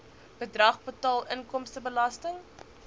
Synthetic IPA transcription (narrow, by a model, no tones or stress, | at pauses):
b̥ədrɐχpotɑːlˠənkɔmstəbəlɐstəŋ